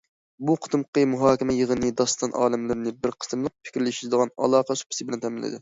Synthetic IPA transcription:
buqʰə̥t̪ɨmqəmuɦɑːkʲɪmɛjəʁənɨd̪ɑst̪ɑnʔɑ̰ːlˠɨmlɨɾnɨbɪɾqʰə̥sɨmlˠəq̚pʰɪ̥kʲɾlɪʃizd̪əʁɑnɑ̰lˠɑːqɑsu̥pʰɪsɨbɪlɛnt̪ʰɛmɪlːɨ̰d̪ɪ

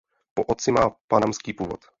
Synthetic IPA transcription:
poʔot̪t͡sɪmaːpanamskiːpuːvo̰t̪

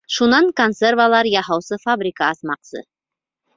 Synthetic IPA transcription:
ʃunɑŋkonservalˠɑɾjɑhɑwsɤfabɾʲikaːsmɑqsɤ̰

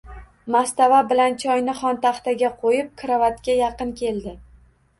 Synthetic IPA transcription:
mast̪avabɪlant͡ʃʰɒjnɪχɒnt̪aχt̪aɡʲaqʰojɪp̚kʰɾavat̪kʲajɑqɨnkʲʰe̞ld̪ɪ

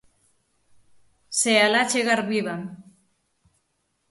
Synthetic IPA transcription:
sealat͡ʃeɣaɾβiβam

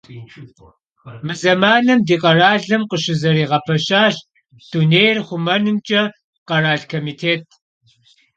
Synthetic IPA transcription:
mɨzɐmaːnɨmdiːqʼɐraːɮɨmqəʃɪzɐɾiːʁɐpʰɐʃaːʃ | d̥uneːjrχʷʊmɐnɨmt͡ʃʼɐ | qɐraːɮkʰoːmiːtʰeːt̚ʰ

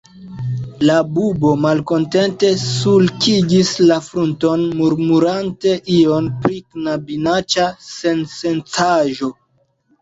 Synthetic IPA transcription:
labubo̞malko̞nte̞nte̞sulkiɡislafɾunto̞nmuɾmuɾante̞ʔio̞npɾiknabinat͡ʃasense̞nt͡saʒo̞

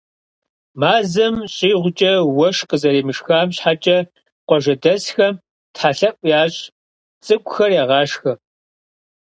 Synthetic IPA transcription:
maːzɐmɕʼiːʁʷʊt͡ʃʼɐwɐʂqəzɐɾiːmɨʂxaːmɕħat͡ʃʼɐ | qʷɔʒɐdɐsxɐm | tħaɬɐpʷʼjaːɕʼ | t͡sʼɨkʷʼʊxɐrjaːʁɑːʂxɐ

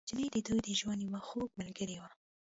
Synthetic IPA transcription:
d͡ʒned̪əd̪ujd̪əʒwand̪iwaxoɡ̚malɡəɾewa

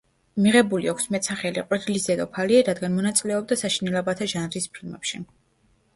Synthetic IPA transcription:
miʁɛbuliɔkʰsmɛt̪ʼsaχɛlḭqʼwɛd̪ʰlisd̪ɛd̪ɔpʰaliaɾad̪ɡanmɔnat̪sʼilɛɔb̚d̪asaʃinɛlɛbat̪ʰaʒanɾispʰɾid̪mɛ̰pʃi

